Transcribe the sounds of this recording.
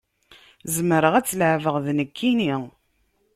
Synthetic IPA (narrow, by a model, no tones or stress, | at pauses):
zəməɾəʁæt͡sːləʕvəʁðnəkʰːini